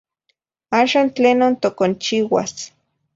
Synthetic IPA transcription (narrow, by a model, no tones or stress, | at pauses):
aːʃaːnt͡ɬeːnont̪okont͡ʃiwa̰s